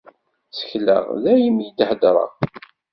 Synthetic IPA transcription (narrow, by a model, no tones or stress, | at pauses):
t͡sə̥çlə̰ʁðæjəmjid̪ħəd̪ɾˤɑ̰ʁ